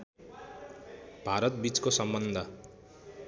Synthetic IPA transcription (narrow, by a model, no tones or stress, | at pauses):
b̥ʱaɾʌt̪̚bit͡skosʌmbʌnd̪ʱʌ